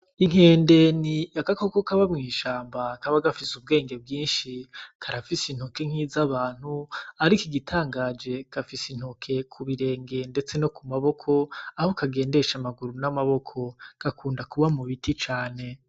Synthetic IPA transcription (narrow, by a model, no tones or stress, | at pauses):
iŋ̥e̞ːnde̞niakako̞kokaβamŋiːʃaːmbakaβaɡafisub̚ɡe̞ːŋɡe̞b̚ɡiːnʃikʰaɾafisin̥hokeŋ̥hiːzaβaːn̥huaɾikiɡitʰaːŋɡaːd͡ʒe̞kafisin̥okʰe̞kʰuβiɾe̞ːŋɡe̞nde̞t͡se̞no̞kumaβo̞kʰo̞aho̞kaɡe̞ːnde̞ʃamaɡuɾunamaβo̞kʰo̞kakʰuːndakuβamuβitʰit͡ʃaːne̞